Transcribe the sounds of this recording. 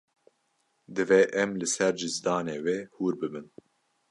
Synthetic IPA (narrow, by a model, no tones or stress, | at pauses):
d̪ɨvɛʔɛmlɨsɛɾd͡ʒɨzd̪ɑːneːweːhuːɾbɨbɨn